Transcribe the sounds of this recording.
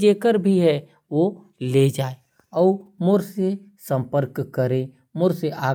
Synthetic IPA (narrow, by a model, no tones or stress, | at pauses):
d͡ʒeːkəɾbʱiɦɛ | ʋo | led͡ʒaːe | ɔːmʊɾse | sə̃mpəɾkːəɾẽ | mʊɾseʔaː